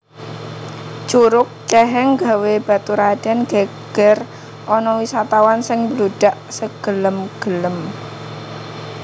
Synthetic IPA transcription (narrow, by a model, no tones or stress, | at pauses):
t͡ʃuɾʊk̚t͡ʃɛɦɛŋɡa̤web̥a̤t̪uɾad̥anɡ̥aɡ̥ɛr | ʔɔnɔwisat̪awansɪŋbluɖ̥aʔsəɡ̥ələmɡ̥ələm